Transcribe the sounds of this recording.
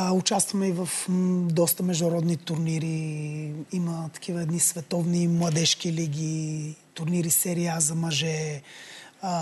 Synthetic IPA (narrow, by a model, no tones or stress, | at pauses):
ʊt͡ʃast̪vɐmɛivɐfd̪ɔst̪əmɛʒd̪ʊɾɔd̪nit̪ʊɾniɾi | imət̪ɐ̥kʰʲivəɛd̪nisvɛt̪ɔvnimlˠɐd̪ɛʃkiliɡʲit̪ʊɾniɾisɛɾiazɐmɐʒɛ